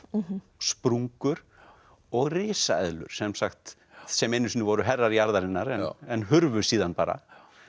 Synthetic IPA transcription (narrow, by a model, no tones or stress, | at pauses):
spɾuŋkʏɾ̥ | ɔɣrɪːsaɛ̰ðlʏ̰ɾ̥sɛmsaxt̪ | sɛmejnːʏsinʏvɔɾʏɦɛrːaɾijaɾðaɾɪnːaɾɛnɛnɦʏɾvʏ̥siːðanpaːɾa̰